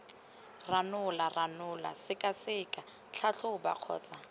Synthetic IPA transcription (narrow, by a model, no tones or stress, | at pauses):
ranʊlaranʊla̰sɪkʼasɪːkʼa | t͡ɬʰaɬʰʊʊba̰q͡χʰɔ̰ːt͡sʼa